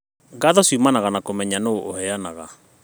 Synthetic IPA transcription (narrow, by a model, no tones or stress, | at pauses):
ŋɡaðɔswimanaɣanakomɛɲanoʔohɛanaɣa